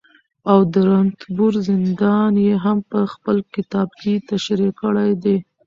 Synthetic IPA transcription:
awd̪əɾant̪buɾzɪnd̪ɑnjeɦampəxpəlkɪt̪ɑb̚ket̪aʃɾikəɽajd̪e

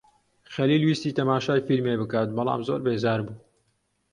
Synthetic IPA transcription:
xɐliːlwiːst̪iːt̪ɐmaːʃaːjfilmeːbɨkaːt̪̚bɑlɑ̰ːmzo̰ːɾbeːzaːɾbuː

